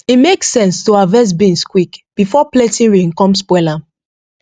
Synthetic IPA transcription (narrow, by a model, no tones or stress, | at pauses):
imeksɛ̃nstoavɛs̬bĩnskwikb̥ifɔpletĩnɹĩnkɔ̃mspwɛla